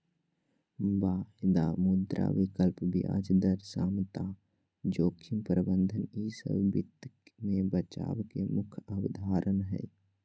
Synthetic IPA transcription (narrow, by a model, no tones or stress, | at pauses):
baːhd̪amʊd̪ɾa̰ʋɪkəlpbja̰ːd͡ʒd̪əɾsaːmt̪aː | d͡ʒoːkʰɪmpɾəbə̃nd̪ʱəniːsə̰bbɪ̰t̪mẽbət͡ʃa̰ːʋkemʊkʰabəd̪ʱaːɾʔənɦɛ̰ː